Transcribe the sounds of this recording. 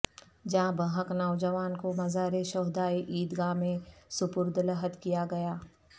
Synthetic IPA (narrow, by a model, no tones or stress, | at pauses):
d͡ʒãbəɦəknaːʋd͡ʒəʋaːnkomɐzaːɾeʃɔːɦd̪aːeʔiːd̪ɡaːmẽsʊpʊɾd̪ləɦət̪kijaɡɐjaː